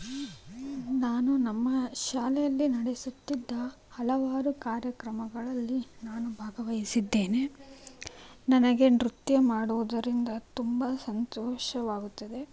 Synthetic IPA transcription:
naːnunɐmːɐʃaːlɛjɐlːinɐɽesut̪ːid̪ːɐ | hɐlɐʋaːɾukaːɾjɐkɾɐmɐɡɐɭɐlːinaːnubʱaːɡɐʋɐjisid̪ːe̞ːne | nɐnɐɡe̞nɾut̪jɐmaːɽuʋud̪ɐɾind̪ɐt̪umbɐsɐnt̪ɔːʃɐʋaːɡut̪ːɐd̪e̞

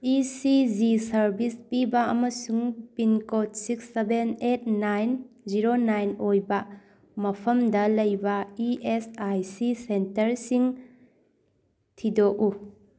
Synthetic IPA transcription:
isizisɐɾbispibɐɐmɐsuŋpinkot̚siksebenet̚ʰnajn | ziɾonajnojbɐ | mɐpʰɐmdɐlɐjbɐiesajsisentɐɾsiŋ | tʰidoʔu

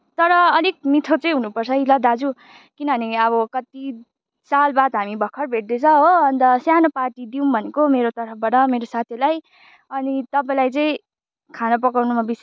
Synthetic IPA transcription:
t̪ʌɾʌːlik̚mit̪ʰot͡sʌj̃ɦunupʌrt͡sʰʌilʌd̪ad͡zu | kinʌɦʌniʌβʌkʌt̪i | salbad̪ɦamibʱʌkʰːʌrbʱeʈ̚d̪et͡sʰʌɦoʌnd̪ʌsjanopaʈid̪iũbʱʌnekomeɾot̪ʌɾpʰʌbaʈʌmeɾosat̪ʰjilaj | ʌnit̪ʌpaĩlajt͡sʌĩ | kʰanʌp̬ʌkawnumabis

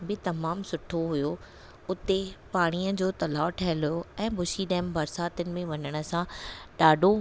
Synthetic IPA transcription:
bɪt̪ɐmaːmsʊʈʰoɦʊjo | ʊt̪epaːɽ̃iəd͡ʑoːt̪ɐlaːʈʰɛɦɪlʊjoɛ̃ːbʊʃiɗɛːmbɐɾsaːt̪ənɪ̆mẽʋɐɲəɽ̃ə̆sãɗaːɖʱo

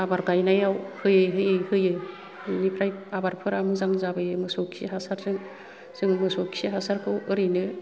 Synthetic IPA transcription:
abaɾɡajnajawhɯjɯjɦɯjɯjhɯjɯ | nipʰɾajabaɾpʰɯɾamɯzaŋzabɯjɯmɯsɔkʰḭɦasaɾzɯŋ | z̥ɯŋmɯsɔkʰiɦasaɾkʰɯwɯɾinɯ

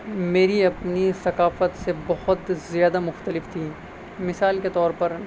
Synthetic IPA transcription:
meːɾiɐpnisɐkaːfət̪sebɐhʊt̪zjaːd̪amʊxt̪əlɪft̪ʰiː | mɪsaːlket̪ɔːɾpɐɾ

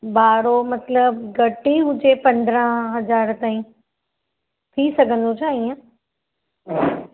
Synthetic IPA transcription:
baːɾomɐt̪ləbɡɐʈiɦʊd͡ʑepɐ̃nd̪ɾə̃ɦɦɐzaːɾt̪aːĩ | t̪ʰisɐɡʱə̃nd̪ot͡ɕʰaːiːã

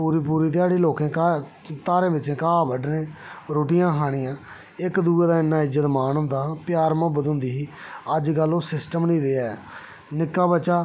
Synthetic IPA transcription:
puːɾiːpuːɾiːt̪̬ɪjaːɽiːloːkẽːkː | t̪aːɾẽːbɪt͡ʃẽːkaːbəɖnẽːɾoːʈɪjãːɦaːɽ̃ɪjãː | ɪkd̪uːeːd̪aːɪnːãːɪd͡ʒət̪maːnõːnd̪aːpjaːɾmãːbəd̪õnd̪iːɦiːəd͡ʒɡəlːõːsɪsʈəmnĩːɾɪːaːɛː | nɪkːaːbət͡ʃaː

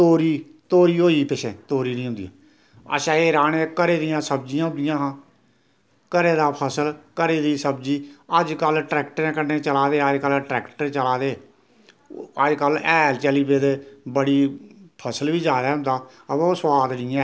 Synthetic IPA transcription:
t̪oːɾiːt̪oːɾiːɦoːiːpɪʃḛ̃ːt̪oːɾiːnĩːɦʊ̃nd̪ḭjã̰ː | ə̰ʃãːeːɾaːnẽːkəɾeːd̪ɪjãːsəbd͡ʒijãːɦʊ̃nd̪ɪjãːɦãː | kəɾeːd̪aːpʰəsəlkəɾeːd̪iːsəbd͡ʒiːəd͡ʒkəlʈɾɛːkʈəɾẽːkənːeːt͡ʃəlaːd̪eːəd͡ʒkəlʈɾɛːkʈəɾt͡ʃəlaːd̪eː | əd͡ʒkəlɛːlt͡ʃɛliːpeːd̪eːbəɽiːpʰəsəlʋiːd͡ʒaːɾɛːɦʊ̃nd̪aː | əoːswaːd̪nɪːã

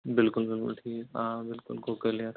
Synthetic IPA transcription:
bɪlkʊlbɪlkʊ̰lʈʰiːkãːbɪlkʊ̰lɡokəliat̪

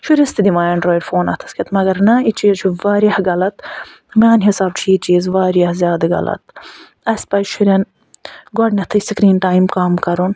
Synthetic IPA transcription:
ʃʰuɾʲɐst̪id̪imaːɐɳɖɾoːiɖfoːnɐ̰t̪ʰɐ̥skʰʲit̪mɐɡɐɾnɐit͡ʃiːzt͡ʃʰuʋaːɾɐhɡɐlɐt̪ | mʲaːnɦisaːb̚t͡ʃʰiit͡ʃiːzʋaːɾiɐhzʲjaːd̪ɐɡɐ̰lɐ̰t̪̚ | ɐsʲpɐjʃʰuɾʲɐn | ɡɔɖnʲɐt̪ʰɐsikɾiːnʈaːjmkaːmkɐɾun

